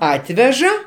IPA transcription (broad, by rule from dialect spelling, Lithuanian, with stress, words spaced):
ˈɑːtʲʋʲɛʒɐ